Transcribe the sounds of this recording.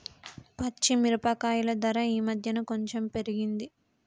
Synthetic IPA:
pɐt͡ʃːimiɾupɐkaːjulɐd̪ɐɾɐiːmɐd̪ʱjɐnuko̞ɲt͡ʃe̞mpe̞ɾiɡind̪i

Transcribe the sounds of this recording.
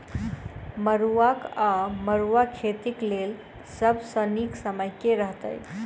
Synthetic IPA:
məɾuakaməɾuakʰet̪iklel | səbʱsəniksəməjkeɾəɦt̪ə̰j

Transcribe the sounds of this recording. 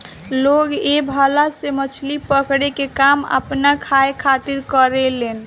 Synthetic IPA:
loɡebʱəlasemət͡ʃʰlipəkɽekekamə̰pnakʰaekʰat̪iɾkəɾelen

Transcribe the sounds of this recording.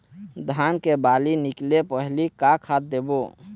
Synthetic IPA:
d̪ʱankebaliniklepəɦlikakʰat̪̚d̪ebo

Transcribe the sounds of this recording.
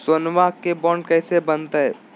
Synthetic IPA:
sɐnʋakebɔːɳɖkɛːsebɐnt̪aɦɛ̰ː

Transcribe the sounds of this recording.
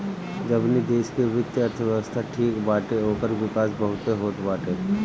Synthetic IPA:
d͡ʒɐbnid̪eːʃkeʋɪt̪jəɐɾt̪ʰəʋjəʋəst̪ʰaʈʰiːkbaːʈeoːkəɾʋɪkaːsbɐɦʊt̪eɦoːt̪baːʈeː

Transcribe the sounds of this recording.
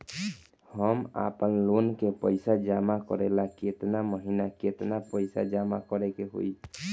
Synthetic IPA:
həma̰pənlonkepəjsad͡ʒamakɔɾɛlaket̪naməɦinaket̪napəɪsa̰d͡ʒamakɔɾɛkeɦo̰i

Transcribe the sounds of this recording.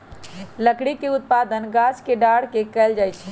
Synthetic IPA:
ləkɽikeut̪̚pad̪ənɡaskeɖaɽ̤kekəld͡ʒajt͡ʃʰɛ

